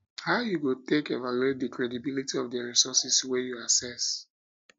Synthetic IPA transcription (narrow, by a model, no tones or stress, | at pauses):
haʊjuɡotekḛvaluetdikɹɛdibilitiɔfdəɹisɔsiswɛjuasɛs